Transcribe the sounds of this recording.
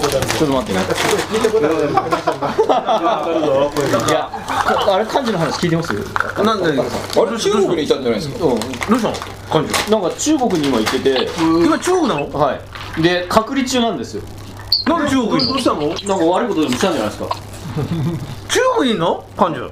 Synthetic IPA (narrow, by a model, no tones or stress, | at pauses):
t͡ɕot̪ːomat̪ːenakʲit̪e | ja | kaɾekʰãɲ̟d͡ʑinoɦanaɕi̥kʲiːt̪emasɨjo̰nãã̰aɾet͡ɕːɡokɯ̟ɲit̪ːãnd͡ʑanãsɨkɯ̃ɾoɕ̬ã̰ | kãɲd͡ʑḭnãŋkat͡ɕɨːɡo̞kɯ̟ɲ̟iːmait̪ːe̞t̪e̞imat͡ɕɨːɡokɯnãnohai | d̪e̞kʰakɯ̟ɾʲit͡ɕɨːnãnd̪e̞sɨjo̞̰ | nãŋt͡ɕːɡokoamonãŋkaβaɾɯ̟ikot̪od̪emist̪ãɲd͡ʑanajiska̰ | t͡ɕɨːɡokɯiːnokãɲd͡ʑḭ